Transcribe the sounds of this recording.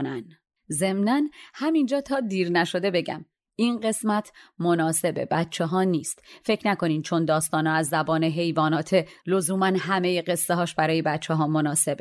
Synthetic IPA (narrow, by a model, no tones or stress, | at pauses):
næn | ze̞mnænhæmind͡ʒɒːt̪ʰɒːd̪iːɾnæʃo̞d̪e̞be̞ɟæ̰m | inɢe̞smæt̪ʰmonɒːse̞be̞̰bæt̪t͡ʃʰeɦɒːniːst̪fe̞cʰnæko̞niːmt͡ʃʰo̞nd̪ɒːst̪ɒːnɒːæzːæbɒːneɦe̞jvɒːnɒːt̪ʰe̞lozuːmænɦæme̞jeɢe̞sːeɦɒːʃbæɾɒːje̞bæt̪̚t͡ʃʰːeɦɒːmonɒːse̞be